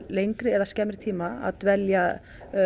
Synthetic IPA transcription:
lejŋkɾɪɛɾaðscɛːmɾɪ̥t̪ʰiːmaa̰ðt̪vɛlja

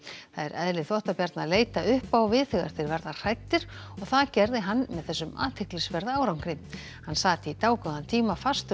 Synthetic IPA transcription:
θaðɛɾɛðlɪθɔht̪apjaɾt̪naðleːjt̪aʏhpawvɪθɪɣa̰ɾ̥θɪɾvɛɾðar̥ajt̪ːɪɾ̥ | ɔɣθaðcɛɾðɪɦanːmɛðθɛsːʏma̰ːt̪hɪhklɪsvɛɾðaːwɾawŋ̥kɾɪ | hanːsaːt̪ɪit̪aːwkʏðant̪ʰiːmafast̪ʏ

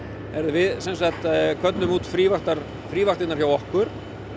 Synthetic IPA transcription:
ɛɾðʏvɪðsɛnsaht̪kʰœt̪lʏmuːt̪fɾiːvaxt̪aɾ̥ | fɾiːvaht̪ɪnaɾ̥çjawɔhkʏɾ̥

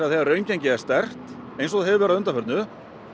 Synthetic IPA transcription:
aðθɛaɾrœɥncajɲcɪɛst̪ɛr̥t̪ | ejnsɔðhɛvɪvɛːɾaðʏnt̪afœɾt̪nʏ

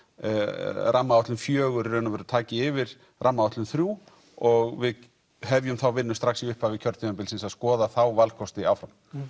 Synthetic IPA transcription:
ɾʔamːaawt̪lʏmfjœːɣʏɾɾɛnavɛɾʏɾt̪ʰaːcɪɪvɪɾ̥ | rʔamːaawht̪lʏmθɾjuː | ɔɣvɪð | hɛvjʏmθawvɪnːʏst̪ɾaxsiʏhpavɪcʰœɾt̪ɪɛmpɪlsɪnsaðskɔːðaθawvalkʰɔst̪ɪawfɾam

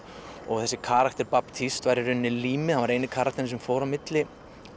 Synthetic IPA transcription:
ɔ̰ɣθɛsːɪkʰaːɾakt̪ɪɾpapt̪ʰist̪vaːjɾɪɾʏnːɪliːmɪθhanvaɾejnɪkʰaːɾakt̪ɪɾns̬ɛmfoːwɾamɪt̪lɪ

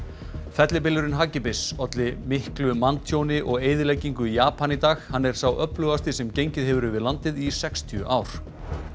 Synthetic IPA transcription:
fɛt̪lɪpɪlʏɾɪnɦaːcɪpɪsɔt̪lɪmɪhklʏmant̪ʰjownɪʔɔɣeːjðɪlejciŋkʏijaːpanit̪aːxhanːɛɾ̥sawʔœplʏɣast̪ɪsɛmcejɲcɪðɦɛvʏɾʏvɪðlant̪ɪðisɛkst̪ʰjʏʔaːwɾ̥

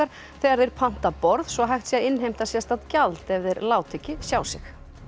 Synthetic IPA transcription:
aɾ̥ | θɛɣaɾðɪɾpʰan̥t̪apɔɾðsɔɦajxt̪sjaɪnːɦejm̥t̪asjɛst̪aðcalt̪ɛvðɪɾlaːwt̪ʰɪcɪsjaːwsɪx

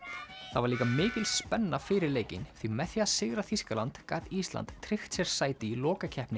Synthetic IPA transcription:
θavaɾliːkamɪːcɪlspɛnːafɪːɾɪɾleːjcɪnθimɛθjaasɪɣɾaθiskalant̪ka̰ːðist̪la̰nt̪t̪ʰːɾɪxt̪sjɛɾ̥saːjt̪ɪilɔːkacʰɛhpnɪ

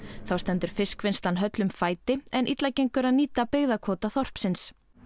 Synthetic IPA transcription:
θawst̪ɛnt̪ʏɾ̥fɪskvɪnst̪anɦœt̪lʏmfaːjt̪ɪɛnʔit̪lacejŋkʏɾaðniːt̪apeɣðakʰɔːt̪aθɔr̥psɪns

